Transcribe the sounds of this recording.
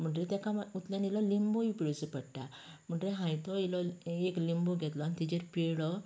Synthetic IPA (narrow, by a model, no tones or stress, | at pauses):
m̤əɳʈɾet̪jakamut̪ljanilɔlimbojipiɽusepəɽʈ̪a | m̤əɳʈɾeɦãjt̪ɔilɔeklimboɡʱɛt̪lɔanit̪id͡ʑeɾpeɽɔ